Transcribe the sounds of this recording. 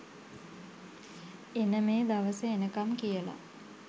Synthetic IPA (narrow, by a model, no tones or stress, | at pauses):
enəmeːd̪aʋəsəenəkamkijəla̰